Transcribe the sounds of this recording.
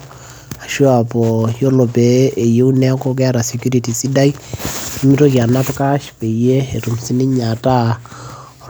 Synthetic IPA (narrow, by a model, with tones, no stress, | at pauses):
a˨ʃu˦a˨pɔ˨jo˦lo˨bɛː˨je˦u˦nɛ˦a˦ko˦k̬ɛ˦ɾa˨si˨kju˦ɾi˨ti˨si˦da˦i˦i˦mi˦ɾo˦kja˨na˦tka˦ʃpe˨ije˦e˨ɾu˨msi˦ni˦ɲa˨ta˦